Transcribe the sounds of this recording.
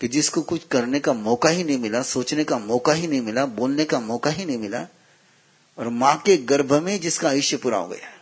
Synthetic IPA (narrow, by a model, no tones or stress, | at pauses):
kid͡ʒɪskokʊt͡ʃʰkɐɾnekamɔːkaɦinɐɦĩmɪlasoːt͡ʃnekamɔːkaɦinɐɦĩmɪlaboːlnekamɔːkaɦinɐɦĩmɪla̰ | ɔːɾmãːkeɡɐɾbʱəmẽd͡ʒɪskaːjɪʃjəpʊɾa̰ɦo̰ːɡɐ̰jaː